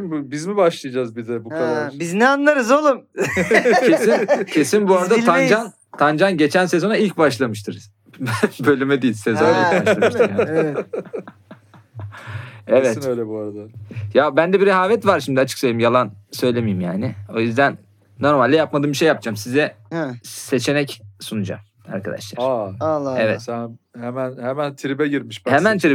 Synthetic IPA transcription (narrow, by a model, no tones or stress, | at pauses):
mbbizmibaʃlˠijad͡ʒazbid̪ɛbukʰaɾabiznɛanlˠaɾɯzolˠum | cʰesincʰesinbuaɾad̪at̪ʲʰand͡ʒan | t̪ʰand͡ʒanɟe̞t͡ʃʰænse̞zo̞nailʲc̚baʃlˠamɯʃt̪ʰɯɾz̥ | bnbø̞lʲymɛd̪ejilʲsezonaaaʃa | eɛvɛt̪inøjlʲɛbuaɾad̪ajabænd̪ɛbiɾɛɦaːvɛt̪vaɾʃimd̪iat͡ʃʰɯ̥ksøjlʲeimjalˠansø̞jlʲe̞mijimjaːnɪo̞jyzd̪ænː | o̞ɾmalʲd̪ɛjapmad̪ɯːmbiʃejːap̚d͡ʒaːmsizɛ | se̞t͡ʃʰe̞nɛcsunud͡ʒa̰m | a̰ɾkʰad̪a̰ʃlˠaɾaevɛ̰sæhemænhemænt̪ʰiɾibɛɟiɾmiʃbhemænt̪ʰiɾi